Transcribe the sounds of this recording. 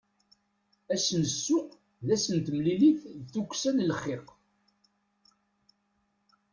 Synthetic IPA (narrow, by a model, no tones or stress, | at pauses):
æsənsːuqː | ðæsənt̪əmliliθθukʷːsænlχːɪq